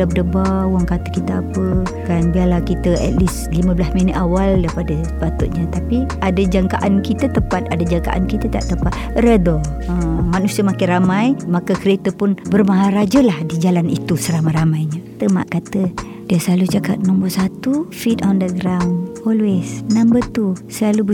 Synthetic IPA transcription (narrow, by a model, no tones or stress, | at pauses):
dap̚dəbauwaŋkat̪əkit̪əapə | kanbialahkit̪əɛ̰t̪̚lis | limə̃blasminət̪awaldajpadəsəpat̪ṵʔɲat̪apiadad͡ʒaŋkaʔankit̪ət̪əpat̪̚adad͡ʒaŋka̰ʔa̰nkit̪ət̪a̰ʔt̪əpat̪̚ɾedɔ | əmanusiəmakɪnɾramãjmakəkəɾet̪əpʊnbərmaɦaɾad͡ʒəlahdid͡ʒalanit̪usəɾamajɾamajɲat̪əma̰ʔkat̪ə | diasəlalut͡ʃaka̰t̪̚nɔmbɔsat̪ufit̪ɔndəɡɾawnɔlwesnambət̪usəlalu